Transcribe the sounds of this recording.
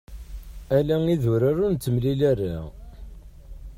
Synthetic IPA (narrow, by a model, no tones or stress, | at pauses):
ælæŋiðʊɾaɾunt̪ːəmlilærːa̰